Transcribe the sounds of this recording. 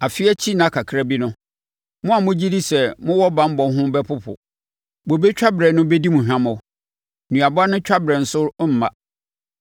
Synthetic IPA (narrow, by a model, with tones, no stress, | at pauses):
a˨fɪ˦ɛ˦t͡ɕʰi˦nã˨˦˨kʰa˨kʰɾa˦bi˦nʊ̃˦ | mʊ̃˦a˨mʊ̃˦d͡ʑi˦di˦sɛ˨mʊ̃˦wɔ˦bã˨m̩˦bɔ̃˨n˦ɦʊ̃˦bɛ˦pʰʊ˦pʰʊ̰˨ | bo˨be˦t͡ɕᶣa˦bɾɛ˨nʊ̃˦be˦di˦mũ˨ɦᶣã˦mʊ̃˨w | nũ˨a˨bɔ˦a˦nʊ̃˦t͡ɕᶣa˦bɾɛ˨n̩˨sʊ˦ɾm̩˨mã˦˨